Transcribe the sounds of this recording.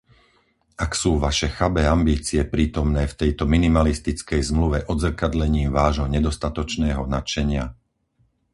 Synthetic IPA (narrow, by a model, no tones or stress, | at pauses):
aksuːʋaʃɛxabɛambiːt͡siɛpɾiːt̪ɔmnɛːft̪ɛjt̪ɔminimalist̪it͡skɛjzmluʋɛʔɔd̪zr̩kad̪ʎɛɲiːmʋaːʒɦɔɲɛd̪ɔst̪at̪ɔt͡ʃnɛːɦɔnat͡ʃɛɲɪa